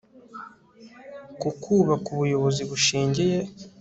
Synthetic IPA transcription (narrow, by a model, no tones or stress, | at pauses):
kukʰuːβakuβujo̞βo̞ziβuʃiːɲɟije̞